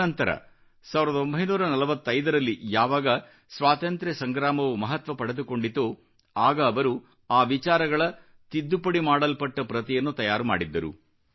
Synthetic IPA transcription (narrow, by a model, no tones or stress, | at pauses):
ɐnt̪ɐɾɐ̰ | saːʋiɾɐd̪ɐo̞mbʱɐjnuːɾɐnɐlɐʋɐt̪ːɐjd̪ɐɾɐlːijaːʋaːɡɐ | sʋaːt̪ɐnt̪ɾɛsɐŋɡɾaːmɐʋumɐɦɐt̪ʋɐpɐɽed̪uko̞ɳɖid̪oː | aːɡɐːʋɐɾu | aːʋit͡ʃaːɾɐɡɐɭɐ | t̪id̪ːupɐɽimaːɽɐlpɐʈːɐpɾɐt̪ijɐnːut̪ɐjaːɾuma̰ːɽid̪ːɐɾṵ